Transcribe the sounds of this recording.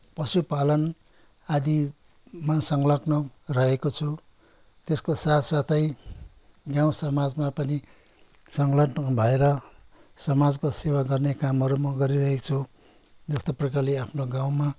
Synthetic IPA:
pʌsupalʌn | ad̪i | masʌŋɡlʌknʌrʌɦekot͡sʰu | t̪eskosat̪ʰsat̪ʌj | ɡjaw̃sʌmad͡zmapʌni | sʌŋɡlʌknʌbʱʌeɾʌsʌmad͡zkosewaɡʌrnekamɦʌɾumʌɡʌɾiɾʌɦekt͡sʰu | d͡zʌst̪ʌprʌkarleapʰnoɡãw̃ma

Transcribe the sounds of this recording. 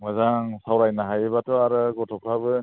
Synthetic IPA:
mɯzaŋsawɾajnaɦajeβatʰɔaɾɯɡɔtʰɔkʰabɯ

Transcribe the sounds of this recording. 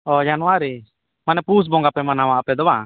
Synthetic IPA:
ɔd͡ʒanuaɾi | manɛpus̬bɔŋɡapɛmanawaʔpɛd̪ɔwa

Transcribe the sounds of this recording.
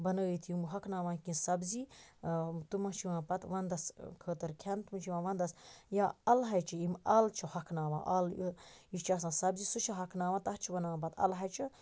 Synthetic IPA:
bɐnɐɣət̪ʰjumɦɐkʰnaːʋãːkĩnsɐbzi | t̪umɐt͡ʃʰiʋãːpɐt̪ʋɐnd̪ɐskʰəːt̪ɐɾkʰʲant̪umut͡ʃʰiʋãʋɐnd̪ɐsjaːɐlɦɐjt͡ʃʰɐimɐlt͡ʃʰɐhɐkʰnaːʋã̰ːʔɐlit͡ʃʰasãːsɐbzisut͡ʃʰɐɦɐkʰnaːʋãːt̪ɐht͡ʃʰibɐnɐʋãːp̬ɐt̪ʰɐ̰lɦɐjt͡ʃʰɐ

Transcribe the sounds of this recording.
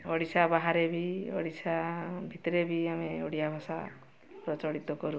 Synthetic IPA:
ɔɽisabaɦaɾebʱiɔ̰ɽisʰabʱit̪ɔɾebʱiameɔɽijabʱɔsa | pɾɔt͡ʃɔɽit̪ɔkɔɾu

